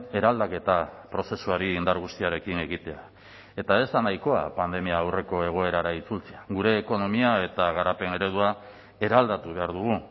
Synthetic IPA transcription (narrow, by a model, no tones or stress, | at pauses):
e̞ɾald̪ake̞t̪apɾo̞se̞suaɾiːnd̪aɾɣ̞ust̪iaɾe̞kine̞ɣit̪e̞a | e̞t̪ae̞zd̪anajko̞a̰pand̪e̞miaːwre̞ko̞e̞ɣ̞o̞e̞ɾaɾait͡sult͡seaɣuɾe̞ːko̞no̞miae̞t̪aɣ̞aɾape̞ne̞ɾe̞ð̞ua | e̞ɾald̪at̪uβ̞e̞aɾðuɣ̞u